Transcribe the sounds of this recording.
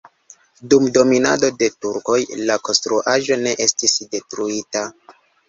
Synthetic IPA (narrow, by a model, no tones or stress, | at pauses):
dumdo̞mina̰do̞de̞tuɾko̞jlako̞nstɾuʔaʒo̞ne̞ʔe̞stisde̞tɾuita